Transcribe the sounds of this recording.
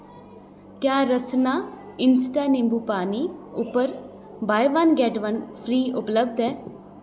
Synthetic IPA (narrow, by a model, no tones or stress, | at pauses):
kjaːɾəsnaːɪnsʈanɪ̃mbuːpaːniʊpəɾ | baːjʋanɡɛːʈʋɐnfʰɾiːʊpləbd̪ɛː